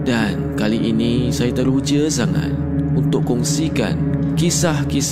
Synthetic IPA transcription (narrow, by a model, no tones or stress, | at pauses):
dankaliʔinĩsajat̪əɾud͡ʒəsaŋa̰t̪̚unt̪ʊkːɔŋsika̰n | kisahkis